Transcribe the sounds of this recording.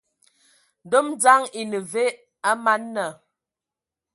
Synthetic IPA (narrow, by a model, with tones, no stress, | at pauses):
do˦m˦d͡za˦ŋi˨nə˨ve˦ | a˦ma˦nːə˨